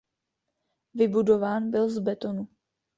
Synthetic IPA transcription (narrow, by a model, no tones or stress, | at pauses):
vɪbudo̞vaːnbɪlzbɛt̪o̞nu